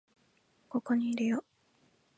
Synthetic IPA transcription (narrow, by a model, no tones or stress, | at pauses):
ko̞ko̞ɲ̟iːɾejo